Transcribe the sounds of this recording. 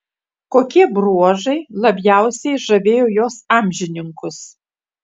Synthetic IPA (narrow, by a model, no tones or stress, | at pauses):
koːkʲiɛbɾuɔʒɐɪlˠɐbʲjæˑʊsʲɛɪʒɐʋʲeːjoːjoːsɑːmʲʒʲɪnʲɪŋkʊs